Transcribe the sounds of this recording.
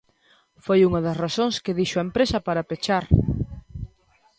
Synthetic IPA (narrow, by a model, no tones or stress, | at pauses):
fojuŋɐðɐsrasõŋskɪðiʃoɐempɾesɐpaɾɐpet͡ʃaɾ